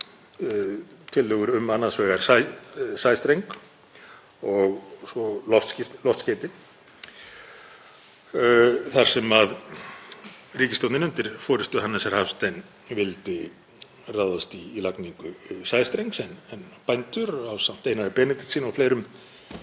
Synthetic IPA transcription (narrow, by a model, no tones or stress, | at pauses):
t̪ʰɪlːœːɣʏɾʏmanːasvɛːɣaɾ̥ssajst̪ɾejŋk | ɔɣsɔlɔft̪sclɔft̪sceːt̪ɪ | θaɾ̥sɛmað | riːcɪst̪owt̪nɪnʏnt̪ɪɾ̥fɔːɾɪst̪ʏɦanːasɛɾ̥hafst̪ajn | vɪlt̪ɪ | raðast̪iːlakniŋkʏsajðst̪ɾejŋksɛnɛnpajnt̪ʏɾawsam̥t̪eːjnaðɪpɛːnɪt̪ɪ̥siːnɔfleːjɾʏm